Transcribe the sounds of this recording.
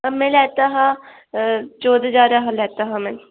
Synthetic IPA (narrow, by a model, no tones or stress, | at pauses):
mɛ̃ːlɛːt̪aːɦãː | t͡ʃoːd̪d͡ʒaːɾaːɦãlɛːt̪aːɦãːmɛ̃ːn